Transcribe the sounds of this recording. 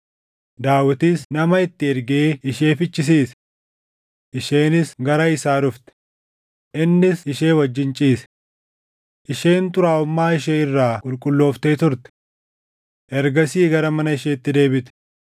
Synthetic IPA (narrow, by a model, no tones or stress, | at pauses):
d̪aːwɪt̪isnɐmɐɪt̪ːɪɛɾɡeːɪʃe̞ːfɪt͡ʃːɪs̬iːs | ʔɪʃeːnɪsɡɐɾɐɪsaːɾʊft̪ɛ̥ | ʔɪnːɪsɪʃe̞ːwɐd͡ʒːɪnt͡ʃʼiːs | ʔɪʃeːnt̪ʊɾaːʊmːaːɪʃ̬eːɪrːaːkʼʊlkʼʊlːo̞ːft̪eːt̪ʊɾt̪ɛ̥ | ʔɛɾɡɐsiːɡɐɾɐmɐnɐɪʃeːɪt̪ːɪd̪e̞ːbɪt̪ɛ̥